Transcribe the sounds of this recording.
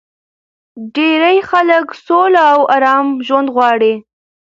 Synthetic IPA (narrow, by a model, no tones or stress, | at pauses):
ɖeɾajxaləksolaːwɑɾɑmʒwand̪ɣwɑɽi